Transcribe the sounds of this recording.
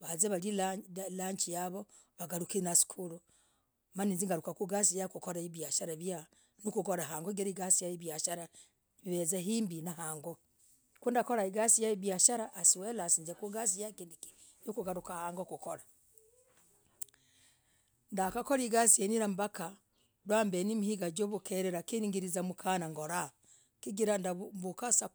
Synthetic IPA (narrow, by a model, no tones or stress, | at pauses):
βazeβalilalaɲt͡ʃijaβo | βaɡaɾukinasi̥kʰulu | maninziŋɡaɾukakuɡas̬ijakukoɾaiβjaʃaɾaβja | nukukoɾaɦaːŋɡoɡiɾaiɡasijajiβjaʃaɾa | βezaɦiːmbinaɦaːŋɡo | kuːndakoɾaiɡasijaiβjaʃaɾaʔːsiwelasiːnzekuɡas̬ijakindiki̥ | nikuɡaɾukahaːŋɡokukola | ndakakoliɡasieniɾambaka | ɾwaːmbenimihiɡad͡ʒoβukʰeɾeɾakiniŋɡiɾizamukʰanaŋɡoɾa | kiɡiɾandabukasa